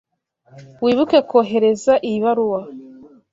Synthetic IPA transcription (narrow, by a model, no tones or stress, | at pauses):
wiːβuke̞koːɦe̞ɾe̞zaʔiβaɾuwa